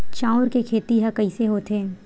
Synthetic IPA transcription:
t͡ʃaːʊɾkekʰeːt̪iɦɐkɐiseɦoːt̪eː

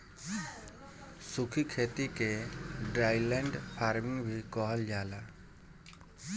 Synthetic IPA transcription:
sukʰikʰet̪ikeɖɾajleɳɖpʰaɾmiŋbʱikɔɦɔld͡ʒaːla

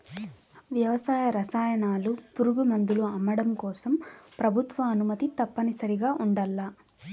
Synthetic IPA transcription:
ʋjɐʋɐsaːjɐɾɐsaːjɐɳaːlupuɾuɡumɐnd̪uluɐmːɐɽɐmkɔːsɐmpɾɐbʱut̪ʋɐːnumɐt̪it̪ɐpːɐnisɐɾiɡaːʔuɳɖɐlːa

